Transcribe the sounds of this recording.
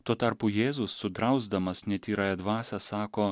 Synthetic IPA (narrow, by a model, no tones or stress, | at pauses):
t̪uɔt̪ɐɾpʊjeːzʊsːʊd̪ɾɐʊzd̪ɐmɐsnʲɛt̪ʲiːɾɑːjɛd̪ʋɑːsɐsɑːkoː